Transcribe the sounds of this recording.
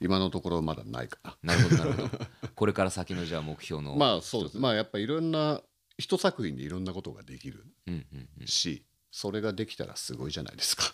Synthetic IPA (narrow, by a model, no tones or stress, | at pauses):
imano̞t̪o̞ko̞ɾo̞mad̪a̰na̰ḭkḁnanaɾɯɦod̪ako̞ɾekaɾasakʲino̞ʑaamokɯ̟̥ço̞ːno̰maːso̞ːd̪esmaːjapːaiɾõnːa | çi̥t̪o̞sakɯ̟ĩnd̪iiɾõ̞nːako̞t̪o̞ɡa̰d̪e̞kʲiɾɯ̟̰ɯ̃ɕḭ | so̞ɾe̞ɡad̪e̞kʲi̥t̪a̰ɾa̰sɨɡo̞iʑana̰id̪esɨ̥kḁ